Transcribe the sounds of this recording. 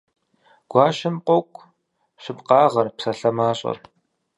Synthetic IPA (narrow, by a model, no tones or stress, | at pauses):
ɡ̥ʷɑːɕɪmqʷɔkʷʼ | ɕɪpqɑːʁɐrpsɐɬɐmaːɕʼɐ̰r